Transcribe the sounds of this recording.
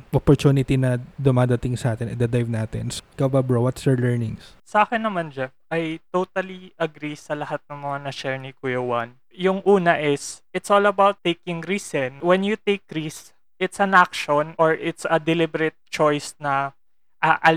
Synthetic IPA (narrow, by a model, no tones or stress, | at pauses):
ʔɔpɔɹt͡ʃ̪uːnɪt̪inɐd̪ʊmaːd̪ɐt̪ɪŋsɐʔaːt̪ɛnɐd̪ɐd̪ajvnaːt̪ɪ̰nskɐbabɾowɐt̪sjɔɹlɛɹnɪŋssɐʔaːkɪnːɐmand͡ʒɛfʔɐjt̪ot̪ɐliʔɐɡɾisɐlɐhat̪̚nɐŋmɐŋanɐʃɛɹnikujowɐn | jʊŋʔuːnɐʔɪsʔɪt̪solɐbawt̪ːejkɪŋɾiːsɛnwɛnjut̪ejkɾis | ʔɪt̪sɐnʔakʃonʔoɹʔɪt̪sɐd̪ɛlɪbɛɾɛt̪̚t͡ʃojsnɐ | ʔɐʔɐ